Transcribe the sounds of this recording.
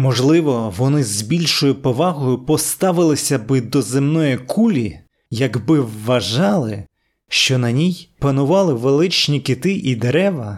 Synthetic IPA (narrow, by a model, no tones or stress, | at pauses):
mɔʒlˠɪʋɔʋɔnɪzbʲilʲʃɔjʊpɔʋɑɦɔjʊpɔst̪ɑʋɪlˠɪsʲɐbɪd̪ɔzɪmnɔjikʰulʲi | jɐɡbɪʋːɐʒɑlˠɪ | ʃt͡ʃɔnɐnʲijpɐnʊʋɑlˠɪʋelˠɪt͡ʃnʲikɪt̪ɪʔid̪eɾɛʋɐ